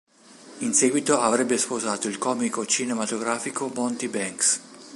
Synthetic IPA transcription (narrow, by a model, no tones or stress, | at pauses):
inseːɡwit̪oavɾɛbːespozaːt̪oilkɔːmikot͡ʃinemat̪oɡɾaːfikomɔnt̪ibɛŋks